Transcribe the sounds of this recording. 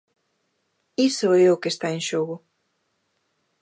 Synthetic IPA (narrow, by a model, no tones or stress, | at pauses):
isoɛʊkest̪aeŋʃoɣʊ